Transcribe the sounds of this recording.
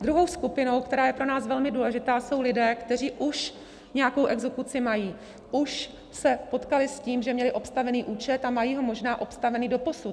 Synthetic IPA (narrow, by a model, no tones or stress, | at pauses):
d̪ɾuɦo̞wskupɪno̞wkt̪ɛɾaːjɛpɾo̞naːsvɛlmɪduːlɛʒɪt̪aːso̞wlɪdɛːkt̪ɛriːʔuʃ | ɲɛjako̞wʔɛɡzɛkut͡sɪmajiː | ʔuʃ | sɛpo̞t̪kalɪsciːmʒɛmɲɛlɪʔo̞pst̪avɛniːʔuːt͡ʃɛt̪amajiːɦo̞mo̞ʒnaːʔo̞pst̪avɛniːdo̞po̞su